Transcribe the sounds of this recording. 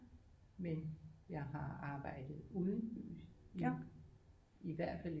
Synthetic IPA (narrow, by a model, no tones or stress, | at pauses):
menjɑ̈ɪɦɑ̈ɑ̈ːb̥ɑ̈ɪ̰d̥ð̞̩ˠuːðˠən̩b̥y̰ːsi | iʋæɐ̰d̥fæl